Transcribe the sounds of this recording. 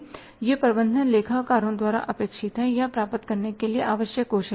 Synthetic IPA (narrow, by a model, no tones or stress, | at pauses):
jepɾbə̃nd̪ʱənleːkʰaːʋkaːɾõd̪waːɾa̰ʔɐpeːkʃɪt̪ɦɛ̃japɾaːpət̪kɐɾnekelieʔaːʋəʃjəkːoːʃ